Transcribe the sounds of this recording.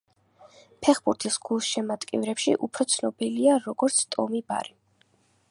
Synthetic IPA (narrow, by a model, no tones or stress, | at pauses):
pʰɛχbuɾt̪ʰisɡ̥ulˠsʃɛmat̪ʼkʼḭvɾɛpʃḭʔupʰɾɔt̪sʰnɔbiliaɾɔɡ̥ɔɾt̪sʰt̪ʼɔmiba̰ɾi